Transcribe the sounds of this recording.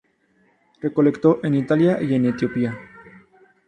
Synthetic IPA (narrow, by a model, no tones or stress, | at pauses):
re̞ko̞le̞kt̪oʔenit̪aljaʔie̞net̪jopia